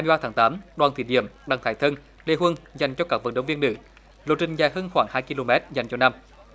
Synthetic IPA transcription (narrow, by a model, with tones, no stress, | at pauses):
aː˧mi˧jɓaː˧t̪ʰaː˨˦ŋt̪aː˨˦mɗwaː˨˩nt̪ʰḭ˧˩ɗḭ˧˩əmɗa˨˩ŋt̪ʰaː˧˩jt̪ʰə˧n | le˧˩ɦwə˧nza˨˩jŋ̟t͡ɕɔ˧kaː˦˥k̚və̰˧˨˩nɗə˨˦ŋ͡mvi˧ənːɨ̰˧˩˦ | lo˨˩t̚t͡ɕï˨˩ŋ̟zaː˨˩həː˧nxwaː˧˩ŋhaː˧jki˧lo˧mɛ˦˥t̚za˨˩jŋt͡ɕɔ˧na˧m